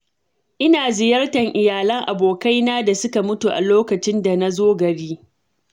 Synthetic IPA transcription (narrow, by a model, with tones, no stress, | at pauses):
ʔɪ˦naː˨zɪ˨jɐ˦rtɐ˨ŋʔɪ˨jaː˨lɐ˦ŋʔa˨boː˨ka˦jnaː˦da˨sʊ˦ka˨mʊ˦tu˨ʔa̰˨loː˦kɐ˨t͡ʃɪ˦nda˨na˦zoː˦ɡɐ˨ɽiː˦